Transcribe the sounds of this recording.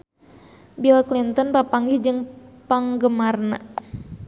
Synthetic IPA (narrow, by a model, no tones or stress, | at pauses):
bilklint̪ɔnpapaŋɡid͡ʒɨŋpaŋɡəmarna̰